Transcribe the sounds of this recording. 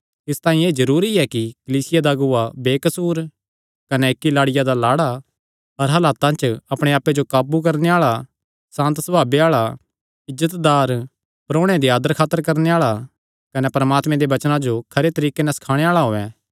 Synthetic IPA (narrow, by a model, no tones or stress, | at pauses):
ɪst̪aːĩeːzɐɾuːɾiɛkikɐliːsɪjad̪aɡʊabeːkɐsuːɾ | kɐnɛeːkːilaːɽɪjad̪alaːɽa | ɐɾɦɐlaːt̪ãt͡ʃɐpɽ̃eaːpːed͡ʒokaːbuk̬ɐɾneaːɭa | sãːnt̪sɐbʱaːbeaːɭa | ɪzət̪d̪aːɾ | pɾoːɽ̃ed̪iaːd̪əɾkʰaːt̪ːəɾkɐɾneaːɭa | kɐnɛpɐɾmaːt̪mɛ̃d̪eʋɐt͡ʃnãd͡ʒokʰɐɾet̪ɐɾiːkenɛsɐ̥kʰaːɽ̃eaːɭaɦoːɛ̃ː